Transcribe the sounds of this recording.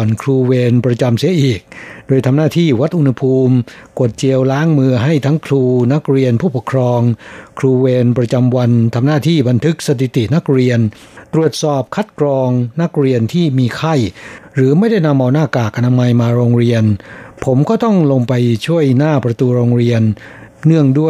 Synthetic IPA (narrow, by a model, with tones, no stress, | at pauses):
nkʰɾuː˧weː˧npɾa˧t͡ɕa˧msi˩˦ɐʔiː˨˩k̚doː˧jt̪ʰa˧mnaː˥˩t̪ʰiː˥˩wa˦˥t̪̚ʔu˧nha˧pʰuː˧mko˨˩t̪̚t͡ɕi˧əwlaː˦˥ŋmɯː˧ɦa˥˩jt̪ʰa˦˥ŋkʰɾuː˧na˦˥k̚ɾi˧ənpʰuː˥˩po˨˩kʰɾɔː˧ŋkʰɾuː˧weː˧npɾa˧t͡ɕa˧mwa˧nt̪ʰa˧mnaː˥˩t̪ʰiː˥˩ba˧nt̪ʰɯ˦˥k̚sa˧t̪ʰi˨˩t̪i˨˩na˦˥k̚ɾi˧ən | t̪ɾu˨˩ət̪̚sɔː˨˩p̚kʰa˦˥t̪̚kɾɔː˧ŋna˦˥k̚ɾi˧ənt̪ʰiː˥˩miː˧kʰa˥˩jɾɯː˩˦ma˥˩jda˥˩jna˧mʔa˧wnaː˥˩kaː˨˩k̚ʔa˧naː˧ma˧jmaː˧ɾoː˧ŋɾi˧ənpʰo˩˦mkɔː˥˩t̪ɔ˥˩ŋlo˧ŋpa˧jt͡ɕʰu˥˩əjnaː˥˩pɾa˧t̪uː˧ɾoː˧ŋɾi˧ənː | ɯ˥˩əŋdu˥˩ə